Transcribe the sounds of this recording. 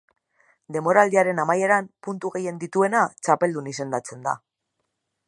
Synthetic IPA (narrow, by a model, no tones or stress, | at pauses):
d̪e̞mo̞ɾald̪iaɾe̞namajeɾampunt̪uɣe̞je̞nd̪it̪ue̞nat͡sape̞ld̪unise̞nd̪at͡se̞nd̪a̰